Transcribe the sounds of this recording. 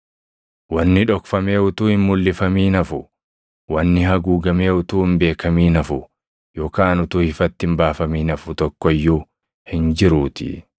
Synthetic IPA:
wɐnːɪᶑɔkfɐme̞ːʊt̪uːhɪmmʊlːɪfɐmiːnɐfʊ | wɐnːɪhɐɡuːɡɐme̞ːʊt̪uːɪmbe̞ːkɐmiːnɐfʊ | joːkaːnʊt̪uːhɪfɐt̪ːɪmbaːfɐmiːnɐfʊt̪ɔkːɔjːu | hɪnd͡ʒɪɾuːt̪ɪ̰

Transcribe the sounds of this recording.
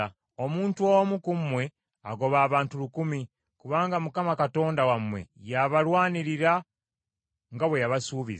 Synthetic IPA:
omuːntuowomukumwe̞ | aɡo̞βaːβaːntulukumi | kuβaːŋɡamukamakato̞ːndawamwe̞̰jaβalwaːniɾiɾa | ŋɡaβwe̞jaβasuːβḭz

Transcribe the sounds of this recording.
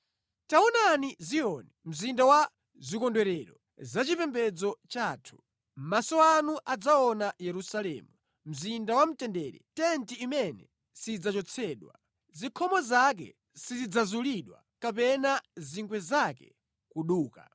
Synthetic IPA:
taɔnaniziɔnɛm̩zindawa | zikɔndwɛɾɛɾɔ | zat͡ʃipɛmbɛd͡zɔt͡ʃaːtʰu̥ | m̩masɔanuʔad͡zaɔnajɛɾusalɛ̰ːmu | m̩zindawam̩tɛndɛɾɛ̰tɛntiːmɛnɛ̰ | sid͡zat͡ʃɔt͡sʰɛːɗwa̰ | zikʰɔmɔzak̬ɛ̰ | sizid͡zazuliɗwa̰ | kapɛnaziŋɡwɛzakɛ̰ | kuɗuːka̰

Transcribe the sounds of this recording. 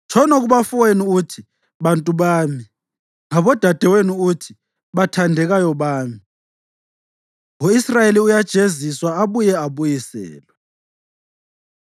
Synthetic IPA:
t͡ʃʰɔnɔɣuβafweniutʰi | βantʼuβaːmi | ŋaβɔd̥ʱad̥ʱɛweniutʰi̥ | βatʰandʱɛɣajɔβaːmi | oisrajeliujad̥ʒ̥ʱeziswaaβujɛaβujisɛ̰ːlwɛ

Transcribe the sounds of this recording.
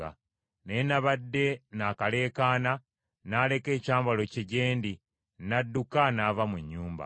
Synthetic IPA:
a̰ | nenaβadːe̞nakale̞ːkaːna | nale̞ke̞ːcaːmbalo̞ceɟe̞ːndi | nadːukanavamuɲːuːmba̰

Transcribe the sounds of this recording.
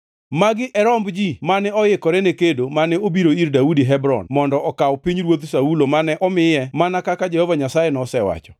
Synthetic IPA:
maɡɪʔɛɾɔmbd͡ʒimanɛɔjɪkɔɾɛnekedomanɛobiɾoiɾdaudiɦɛbɾɔ̰nmɔndɔɔkawpiɲɾwot̪saulomanɛʔɔmɪjɛmanakakad͡ʒɛhɔvaɲasajɛnɔsɛwa̰t͡ʃɔ̥

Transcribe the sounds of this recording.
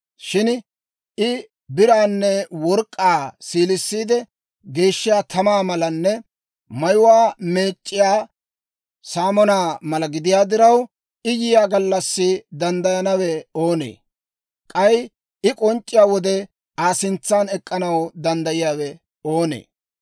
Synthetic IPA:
ʃɪn | ɪ | bɪɾaːnːɛwɔɾkʼːaːsiːlɪsːiːd̪ɛ | ɡe̞ːʃːɪjaːt̪ʰɐmaːmɐlɐnːɛ | mɐjʊwaːme̞ːt͡ʃʼːɪjaː | saːmɔnaːmɐlɐɡɪd̪ɪjaːd̪ɪɾɐw | ɪjɪjaːɡɐlːɐsːɪd̪ɐnd̪ɐjɐnɐwɛo̞ːnḛː | kʼɐj | ɪkʼɔnt͡ʃʼːɪjaːwɔd̪ɛ | aːsɪnt͡sːaːnɛkʼːɐnɐwd̪ɐnd̪ɐjɪjaːwɛ | o̞ːnḛː

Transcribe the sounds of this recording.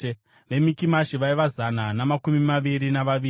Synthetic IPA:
ʋe̞mikimaʃiʋaiʋazananamakumimaʋiɾinaʋaʋiː

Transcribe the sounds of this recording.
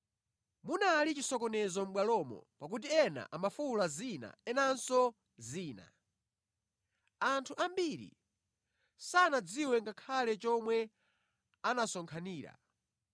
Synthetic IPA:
munalit͡ʃisɔkɔnɛzɔm̩ɓwalɔmɔ̰pak̬ut̬iɛna̰ʔamafulazina̰ɛnansɔ | ziːna̰ | antʰuʔambiɾḭ | sanad͡ziwɛŋɡakʰalɛt͡ʃɔmwɛ | anasɔŋkʰaniːɾa̰

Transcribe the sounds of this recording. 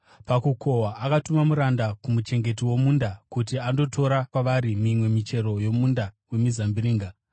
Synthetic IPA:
pakukʰo̞waʔakatumamuɾandakumut͡ʃe̞ŋɡe̞tiwo̞muːndakutiando̞tʰo̞ɾakwaʋaɾimimwe̞mit͡ʃe̞ɾo̞jo̞mundawe̞mizambiɾiːŋɡa

